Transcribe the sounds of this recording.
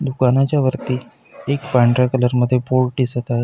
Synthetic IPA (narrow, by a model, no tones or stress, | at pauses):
d̪ukanat͡ɕjaʋəɾt̪iː | ekpaɳɖɾakələɾməd̪ʱːjepoɾʈisət̪aɦe